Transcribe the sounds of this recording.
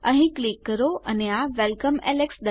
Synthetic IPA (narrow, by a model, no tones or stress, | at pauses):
əɦĩklikːəɾoʔəneaʋelkəmɛleksd̪ə